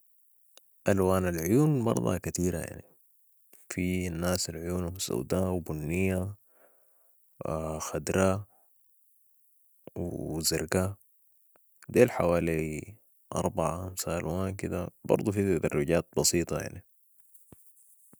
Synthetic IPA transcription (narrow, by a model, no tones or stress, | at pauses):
ʔalwaːnalʕʊjuːnbɑ̰ɾˤd̪ˤɑ̰kat̪iːɾaja̰ʕni | finːaːsalʕʊjuːnhmsṵwd̪aːwbunːijːa | xad̪ɾaː | wzaɾɡaː | d̪eːlħawaːli | ʔɑ̰ɾˤbaʕaxamsaʔalwaːnkid̪a̰bɑ̰ɾˤd̪ˤufit̪ad̪ɑrˤːʊɟaːt̪̚bɑsiːt̪ˤɑja̰ʕni